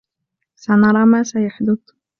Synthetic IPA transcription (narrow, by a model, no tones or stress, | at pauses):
sanɑɾˤɑːmaːsajaħd̪ʊd̪